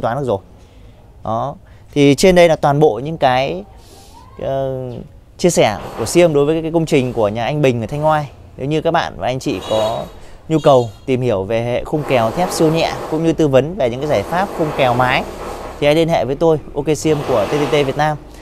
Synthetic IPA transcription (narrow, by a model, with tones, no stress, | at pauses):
t̪waː˨˦n˦˥k̚zo˨˩j | ɗɔ˨˦ | t̪ʰi˨˩t͡ɕe˧nɗə˧jlaː˨˦˩t̪waː˨˩nɓo̰˧˨ɲɨ̰˧˥ŋkaː˨˦j | t͡ɕi˧əsɛ˧˩ku˧˩əsi˧əmɗo˨˦jvəː˨˦kkːkə˧wŋ͡mt͡ɕï˨˩ŋ̟ku˧˩əɲaː˨˩ʔa˧jŋ̟ɓï˨˩ŋ̟ʔəː˨˩t̪ʰjŋ̟hwaː˧j | ne˨˦wɲɨ˧kaː˦˥k̚ɓa̰ː˧˨nvaː˨˩ʔa˧jŋ̟t͡ɕḭ˧˨kɔ˨˦ɲu˧kə˨˩wt̪i˨˩mhi˧˩əwve˨˩ɦḛ˧˨xə˧wŋ͡mkɛ˨˩wt̪ʰɛ˦˥p̚si˧əwɲɛ̰˧˨kʊ̰˧˥ŋ͡mɲɨ˧t̪ɨ˧və˨˦nve˨˩ɲɨ̰˧˥ŋkːaː˨˦zaː˧˩jfaː˦˥p̚xə˧wŋ͡mkɛ˨˩wmaː˨˦jt̪ʰi˨˩ʔa˧jli˧ənhḛ˧˨vəː˨˦jt̪o˧jʔo˧ke˧si˧əmku˧˩ət̪e˧t̪e˧t̪e˧vi˨˩ət̚naː˧m